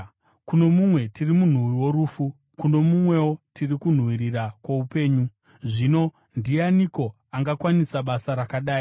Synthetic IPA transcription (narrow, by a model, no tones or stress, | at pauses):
kuno̞mumwe̞tirimun̤uwiwo̞ɾuːfu | kuno̞mumwe̞wo̞tirikun̤wiɾirakwoupe̞ːɲu | ʐino̞ | ndianiko̞ | aŋɡakwanisaɓasaɾakaɗaːi